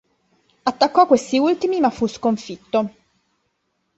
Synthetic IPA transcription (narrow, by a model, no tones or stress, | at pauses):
at̪ːakːɔkːwest̪iult̪imimafːuskoɱfit̪ːo